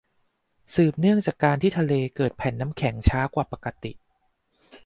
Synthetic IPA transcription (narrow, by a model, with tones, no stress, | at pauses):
sɯː˨˩p̚nɯ˥˩əŋt͡ɕaː˨˩kːaː˧nt̪ʰiː˥˩t̪ʰa˧leː˧kɤː˨˩t̪̚pʰɛː˨˩˦nːa˦˥mkʰɛ˩˦ŋt͡ɕʰaː˦˥kwaː˨˩pa˨˩ka˧t̪ḭ˨˩ʔ